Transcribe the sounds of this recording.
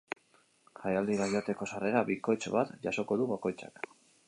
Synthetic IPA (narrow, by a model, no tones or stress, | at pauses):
xajald̪iβajat̪e̞ko̞sare̞ɾaβiko̞jt͡ʃβat̪ʝaso̞ko̞ðuβako̞jt͡sa̰k